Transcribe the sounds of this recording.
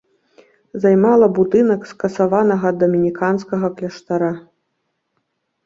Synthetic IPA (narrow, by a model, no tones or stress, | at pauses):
zajmalˠɐbud̪ɨnɐkskɐsavanɐɣɐd̪ːɔmʲinʲikanskɐɣɐklʲɐʂt̪aɾa